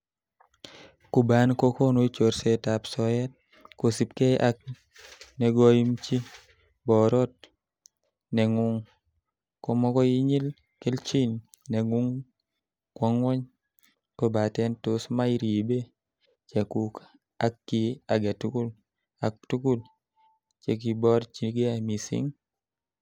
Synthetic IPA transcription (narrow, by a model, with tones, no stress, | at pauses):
ku˨ba˦nko˦ko˦no˦t͡ʃo˨ɾseta˨psɔjɛ˦t̚ | ko˨si˨pke˦ʔak̚ | nɛ˨ɡoji˦mt͡ʃi˦ | bɔ˨ɾɔ˦t̚ | nɛ˨ŋu˦ŋ | ko˨mɔ˦kɔ˦ji˦ɲi˦l | ke˦lt͡ʃi˦n | nɛ˨ŋu˦ŋ | kwa˦ŋwɔ˦ɲ | ko˦ba˨tɛ˦nto˦sma˦i˦ɾi˨e˨be˦ | t͡ʃa˨kuk | a˦kːi˨a˨ɡa˨tu˦ku˦l | a˨k̚tu˦ku˦l | t͡ʃe˨k̬i˨bɔ˦ɾt͡ʃi˨ɡe˦a˨mi˨sɪ̰˦ŋ